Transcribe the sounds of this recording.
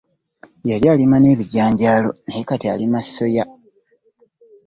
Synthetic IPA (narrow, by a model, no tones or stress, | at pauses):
jaljaːlimane̞ːβiɟaːɲɟaːlo̞̰neekatia̰limasso̞ja